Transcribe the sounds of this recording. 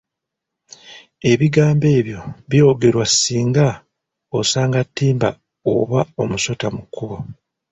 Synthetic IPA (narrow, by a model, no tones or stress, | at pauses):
e̞βiɡaːmbe̞ːβjo̞βjo̞ɡe̞ɾwasːiːŋɡa | osaːŋɡatːiːmba̰ | o̰βao̞muso̞tamukːuβo